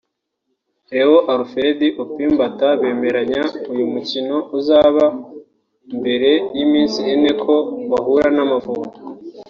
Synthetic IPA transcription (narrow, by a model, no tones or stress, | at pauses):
ehoʔaɾufe̞ɾediʔupiːmbataβe̞ːme̞ɾaɲaujumucino̞uzaːβa | mbe̞ɾe̞jimiːnsiene̞kʰo̞βaɦuɾanamavuko